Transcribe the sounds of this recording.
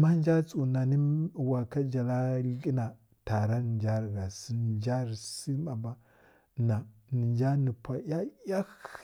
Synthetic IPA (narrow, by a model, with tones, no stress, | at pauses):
ma˦n˦d͡ʒa˦t͡sʼu˨na˨ni˦wa˨ka˦d͡ʒa˨la˦lki˦na˨ | ta˨ɾa˦n˨nd͡ʒa˦ɾɡa˨si˦˨d͡ʒa˦ɾsi˦ma˨ba˦ | na˨ni˨nd͡ʒa˦ni˨pʷa˨ja˦ja˦